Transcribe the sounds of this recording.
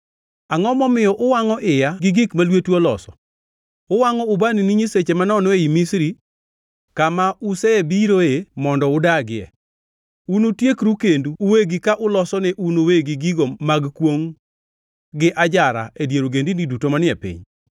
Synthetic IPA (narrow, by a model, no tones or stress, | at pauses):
aŋɔmɔmɪjɔʔʊwaŋɔʔɪjaɡɪɡikmalwetwɔlɔ̰sɔ | ʊwaŋɔʊbaniniɲiset͡ʃemanɔnɔeimisɾi | kamaʔusɛɛbiɾoemɔndɔʊdaɡɪɛ̰ | unotjekɾukenduːweɡikaʔʊlɔsɔnɛʔunoweɡiɡiɡomaɡkwoŋ | ɡɪʔad͡ʒaɾa̰ʔedjeɾoɡendinidutomanɪɛpḭɲ